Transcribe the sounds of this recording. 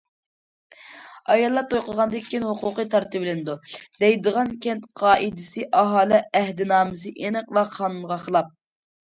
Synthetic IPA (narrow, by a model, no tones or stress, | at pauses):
ɑjɑlˠːɑt̪ʰojqəʁɑnd̪ɨkʲʰːinɦuqʊqɨt̪ʰɑɾt̪ʰɨbɪlɪnɨd̪ud̪̥ɛjd̪əʁɑnkʲʰɛnt̪qʰɑːʔid̪ɪsɨʔɑɦɑːlˠɪæhd̪ɪnɑːmɨsɨʔenɨqlˠɑqʰɑːnunʁɑχəlˠɑp̚